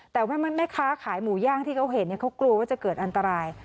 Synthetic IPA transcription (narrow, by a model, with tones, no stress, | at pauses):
t̪ɛː˨˩waː˥˩ma˧nma˥˩kʰaː˦˥kʰaː˩˦jmuː˩˦jaː˥˩ŋt̪ʰiː˥˩kʰa˦˥wɦe˨˦nːi˥˩əkʰa˦˥wklu˧əwaː˥˩t͡ɕa˨˩kɤː˨˩t̪̚ʔa˧nt̪a˧ɾaː˧j